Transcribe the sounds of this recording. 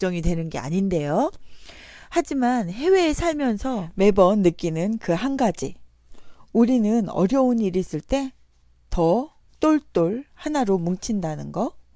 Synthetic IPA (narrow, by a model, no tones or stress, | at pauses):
t͡ɕ͈ʌŋidwe̞nɯnɡe̞a̰ɲinde̞jo | had͡ʑimanhe̞we̞ːsʰaɭmjʌnsʰʌme̞bʌnːɯk͈inɯnkɯɦanɡad͡ʑi | uɾinɯnʌ̰ɾjʌuniɾis͈ɯɭt͈e̞ | tʌ | t͈oɭt͈oɭhanaɾomuŋt͡ɕʰindanɯnɡʌ